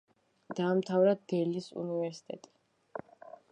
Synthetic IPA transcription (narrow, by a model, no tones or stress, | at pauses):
d̪̥aːmt̪ʰavɾad̪ɛlisṵnivɛɾsi̥t̪ʼɛ̰t̪ʼi̥